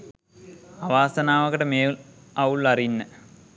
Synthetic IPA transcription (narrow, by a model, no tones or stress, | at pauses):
ɐʋaːsɐnaːʋɐɣɐɽemeːul | ɐwuɭɐrinːɨ